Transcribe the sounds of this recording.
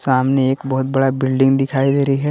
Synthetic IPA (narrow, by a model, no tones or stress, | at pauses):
saːmneeːkbɔɦʊt̪̚bɐɽabɪlɖɪ̃ŋɡd̪ɪkʰaːid̪eːɾiɦɛ